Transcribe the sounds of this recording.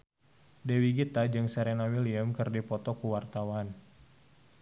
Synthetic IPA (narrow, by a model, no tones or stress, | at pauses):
dewiɡit̪ad͡ʒɨŋsɛɾenawiliəmkɨrdipɔt̪ɔkuwart̪awan